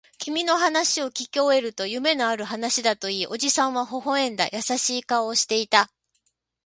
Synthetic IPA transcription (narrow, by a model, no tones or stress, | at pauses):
kʲimʲino̞ɦanaɕio̞kʲikʲio̞e̞ɾɯ̟t̪o̞jɯ̟me̞no̞aɾɯ̟ɦanaɕid̪at̪o̞iːʔo̞ʑisãɰ̃βaɦo̞ɦo̞ẽ̞nd̪a̰jʔasaɕiːkao̞ːɕi̥t̪e̞it̪a